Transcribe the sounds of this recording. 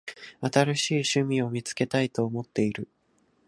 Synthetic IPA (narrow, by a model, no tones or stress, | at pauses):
at̪aɾaɕiːɕɨmʲio̞mʲit͡sɨ̥ke̞t̪ait̪o̞ːmo̞t̪ːe̞iɾɯ̟